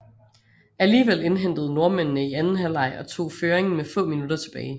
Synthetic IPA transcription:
æliːʋel̰e̝nɦen̰d̥əð̞̩ˠno̝ɐmennəiænn̩ɦælɑ̈ɪ̰ʔɒ̽t͡sʰo̝̰ːføːɐeŋn̩mefɔ̰̽ːminud̥ɐt͡sʰe̝b̥ɛːɪ

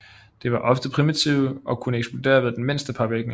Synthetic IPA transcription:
d̥e̝ʋɑ̈ʔɒ̽fd̥əpʰʁimit͡sʰiʊ̰ɒ̽kʰunəeɡsb̥lod̥e̝̰ːɐʋeð̩ˠd̥enme̝n̰sd̥əpʰɑ̈ʋeɡ̥nə

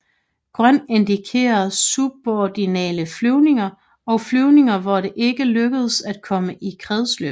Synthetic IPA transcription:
ɡ̥ʁɶn̰e̝nd̥ikʰe̝̰ːɐðˠsub̥ɒd̥inɛ̰ːləflyʊne̝ŋɐ | ɒ̽ʊflyʊne̝ŋɐʋɒɾ̥e̝ʔe̝ɡ̥əløɡ̥əð̞̩ˠsæd̥̚kʰɒ̽məʔikʰʁɛðˠslø̰b

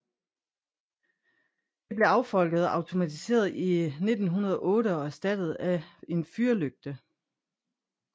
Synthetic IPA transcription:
d̥e̝b̥le̝ɑ̈ʊfɒ̽l̰ɡ̥əð̞ˠɒɑ̈ʊt͡sʰo̝mæt͡sʰise̝̰ːɐð̞ˠine̝d̥n̩ɦunɐð̞ˠɒ̽ʔɔ̽ːɾəɒ̽æsd̥æd̥ð̞̩ˠæe̝nfyɐløɡ̥̚d̥ə

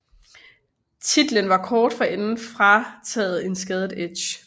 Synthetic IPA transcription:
t͡sʰid̥lənʋɑ̈kʰɒːd̥fɒ̽ʔenn̩fʁɑ̈t͡sʰɛ̰ːð̩ˠe̝nsɡ̥ɛð̞ˠədˠed̥ɕ

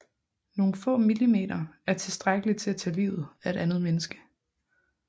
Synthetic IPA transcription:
no̝ːn̩fɔ̰̽ːmilime̝̰ːɾ̥ɐæɐt͡sʰe̝sd̥ʁaɡ̥əlit͡sʰe̝æt͡sʰæ̰ːlḭːʊð̩ˠæe̝ɾ̥ænð̩ˠmenəsɡ̥ə̥

